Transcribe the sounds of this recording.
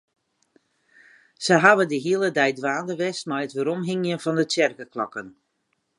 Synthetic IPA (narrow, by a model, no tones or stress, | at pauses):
səɦaʋədəɦiəlˠədɛjdʋaːdəʋɛstmɛjətʋəɾɔmɦɪŋjənfɔndətjɛrkəklɔkən